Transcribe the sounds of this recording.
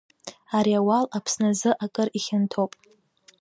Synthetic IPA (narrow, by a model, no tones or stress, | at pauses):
aɾiawalapʰsnazɨʔakʼɨriχʲɪntʰopʼ